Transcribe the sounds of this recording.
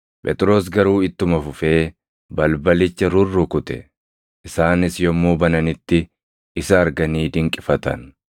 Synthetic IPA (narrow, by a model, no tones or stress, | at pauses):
pʼɛ̰t̪ʼɪɾo̞ːs̬ɡɐɾuːɪt̪ːʊmɐfʊfe̞ː | bɐlbɐlɪt͡ʃːɐɾʊrːʊkʊt̪ɛ̰ | ʔɪsaːnɪsjɔmːuːbɐnɐnɪt̪ːɪ | ɪsɐːɾɡɐniːd̪ɪŋkʼɪfɐt̪ɐ̰n